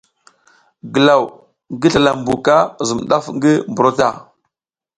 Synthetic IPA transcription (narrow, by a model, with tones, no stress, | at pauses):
ɡə˨la˨w | ŋɡi˦ɬa˨la˨mbu˨ka˦zu˨mɗa˦fŋɡi˦mbu˨ɾo˦ta˦˨